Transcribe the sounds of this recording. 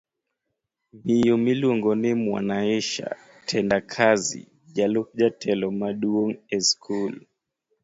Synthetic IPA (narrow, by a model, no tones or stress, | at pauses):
mijɔmiluɔŋɡɔnɛmwa̰naɛʃa̰ | tʰɛndakʰazḭ | ʄalɔk̚ʄatʰɛlɔmaɗuɔŋɛskʰul